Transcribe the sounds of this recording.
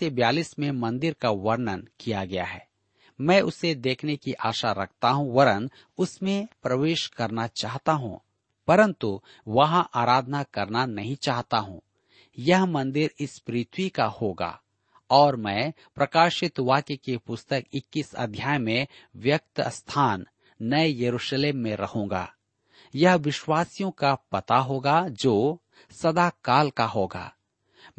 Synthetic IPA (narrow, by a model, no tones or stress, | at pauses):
t̪ebjaːlismẽmɐ̃nd̪ɪɾkaʋɐɾnənkijaɡɐja̰ɦɛː | mɛ̃ːʔʊsed̪eːkʰnekiʔaːʃaɾɐ̰kʰt̪aɦũʋɐɾən | ʊsmẽpɾɐʋeːʃkɐɾnat͡ʃaːɦt̪aɦṵ̃ː | pɐɾə̃nt̪u | ʋɐɦãʔaːɾaːd̪ʱnakɐɾnanɐɦĩt͡ʃaːɦt̪aɦṵ̃ː | jɐɦmɐ̃nd̪ɪɾɪspɾiːt̪ʰwikahoːɡa̰ː | ɔːɾmɛ̃ː | pɾɐkaːʃɪt̪ʋaːkekepʊst̪əkɪkːisɐ̰d̪ʱjaːjmẽʋjɐk̚t̪st̪ʰaːnː | ɐejɐɾuːʃleːmːẽɾɐhõːŋɡa̰ː | jɐɦʋɪʃwaːsijõkapɐt̪aɦoːɡad͡ʒoː | sɐd̪akaːlkaɦoːɡa̰ː